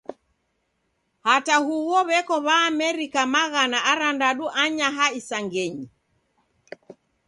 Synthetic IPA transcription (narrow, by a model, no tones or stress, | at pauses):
hatahuwɔβɛkɔβaːmɛɾikamaɣanaʔaɾandaɗuʔaɲaɦaisaŋɡɛɲi